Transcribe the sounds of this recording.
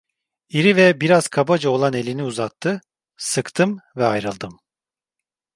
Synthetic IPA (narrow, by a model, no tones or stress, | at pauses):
iɾivɛbiɾaz̥kʰabad͡ʒao̞lˠane̞lʲiniuzat̪ʰːɯ | sɯkt̪ʰɯmvɛajɾɯlˠd̪ɯm